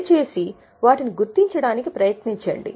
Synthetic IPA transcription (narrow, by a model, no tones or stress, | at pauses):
t͡ʃe̞ːsi | ʋaːʈiniɡuɾt̪iɲt͡ʃɐɽaːnikipɾɐjɐt̪niɲt͡ʃɐ̰ɳɖḭ